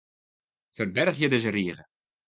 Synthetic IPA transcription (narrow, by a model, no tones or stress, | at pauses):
fərbɛrχjədəzəriəχə